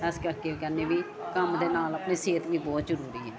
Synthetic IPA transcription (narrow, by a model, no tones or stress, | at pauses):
ɛskəɾkeːkɛneːʋiː | kəmd̪eːnaːləpneːseːt̪ʋiːbɔːt̪zəɾuːɾiːɦɛː